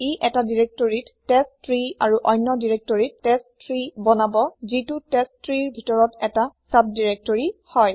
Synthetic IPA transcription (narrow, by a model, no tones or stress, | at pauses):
iʔɛtadiɹek̚toɹittɛstɹiaɹuʔɔjnːɔdiɹek̚tɔɹitːɛstɹibɔnabɔzitutɛstɹiɹbʱitɔɹɔtɛtasab̚diɹek̚toɹihɔj